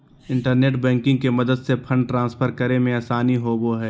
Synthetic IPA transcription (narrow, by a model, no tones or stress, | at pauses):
ɪ̃ɳʈəɾneːʈbɛ̃ːŋkɪ̃ŋɡ̚kemɐd̪əd̪sepʰɐ̃ɳɖ̚ʈɾãːnspʰəɾkəɾemẽaːsaːniɦoboɦɛː